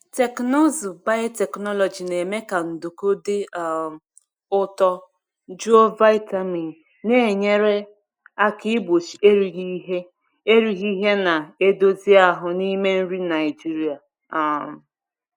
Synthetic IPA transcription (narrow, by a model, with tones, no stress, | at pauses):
te˨kno˦zu˨ba˦ɪ˦te˨knɔ˦lɔ˨d͡ʒi˨ne˨me˦ka˨n̩˨du˨ko˦dɪ˦˨ | ʊ˦tɔ˦ | d͡ʒu˦o˦va˦ɪ˦ta˦mi˨ | ne˦e˨ɲe˦ɾe˦ | a˦kɪ˦bo˨t͡ʃi˨e˦ɾi˨ɣi˦ɦe˦ | e˦ɾi˨ɣi˦ɦe˦na˨e˦do˦zi˦a˦ɦʊ˨ni˦me˦n̩˦ɾi˦na˨ɪ˨d͡ʒi˦ɾi˨a˨ | a˨